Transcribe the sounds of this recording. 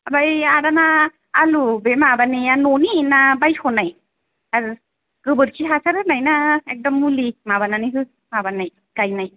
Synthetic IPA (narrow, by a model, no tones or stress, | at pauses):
abajaɾanaː | lubemabanianoninabajkʰɔnaj | aɾ | ɡ̥ɯbɯɾkʰiɦasʰaɾhɯnajnaek̚dɔmːulimaβananiɦɯ | mabanaj | ɡ̥ajnaj